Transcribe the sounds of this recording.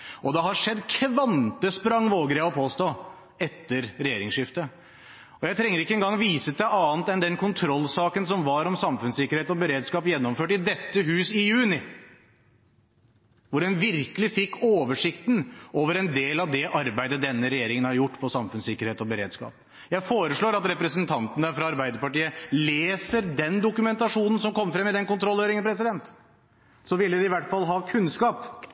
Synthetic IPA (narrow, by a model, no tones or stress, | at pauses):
ɔd̪ɛhɑʂɛd̪kʰʋɑnt̪əspɾɑŋːʋoːɡɾɛːɔpʰoːst̪o | ɛt̪ːəɾɾɛjeːɾɪŋsʂɪft̪ə | ɔjæɪt̪ʰɾɛŋːəɾɪkːəɛnɡɑŋʋiːsət̪æɑːnt̪ɛnd̪ɛnkʰʊnt̪ʰɾɔlːsɑːkənsɔmʋɑɾɔmsɑmfʉnsɪkːəɾheːt̪ɔbəɾeːd̪skɑːpjɛnːɔmføːʈɪd̪ɛt̪ːəɦʉːsɪjʉːnɪ | ʋʊɖɛnʋɪɾkəlɪfɪkːoːʋəʂɪkt̪noːʋəɾɛnd̪eːlɑʋd̪ɛʔɑɾbæɪd̪əd̪ɛnːəɾɛjeːɾɪŋənhɑɾjʊʈːpʰɔsɑmfʉnsɪkːəɾheːt̪ɔbəɾeːd̪skɑ̰ːp | jæɪfoːɾəʂɭoːɾɑt̪ɾɛpɾəsənt̪ʰɑnt̪ənəfɾɑɑɾbæɪd̪əɾpɑʈiːəleːsəɾd̪ɛnd̪ʊkʉmɛnt̪ɑʂuːnən̩sɔmkʰɔmːfɾɛmːɪd̪ɛnkʊnt̪ʰɾɔlːøːɾɪŋənpʰɾɛsɪd̪ɛnt̪ | sɔʋɪlːəd̪ɪɪʋæʈːfɑlɦɑːkʰʉnskɑːp